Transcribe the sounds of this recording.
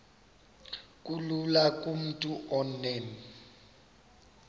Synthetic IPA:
kʼululakʼum̩tʼuʔɔnɛn

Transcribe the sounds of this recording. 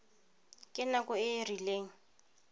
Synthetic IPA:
kʼɪnakʊɪrileːŋ̩

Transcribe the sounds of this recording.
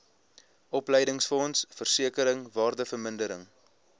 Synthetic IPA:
ʔɔplɛjdəŋsfɔnsfərsiəkəɾəŋvɑːrdəfərməndəɾə̰ŋ

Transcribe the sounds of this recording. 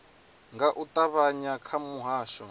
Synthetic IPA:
ŋɡaʔutʼaβaɲakʰamuɦaːʃɔ

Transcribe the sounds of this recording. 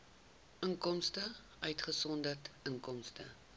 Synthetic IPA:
ʔəŋkɔmstə | œɥtχəsɔndərtəŋkɔmstə

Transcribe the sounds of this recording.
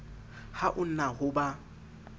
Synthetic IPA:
haʔʊn̩nahʊba

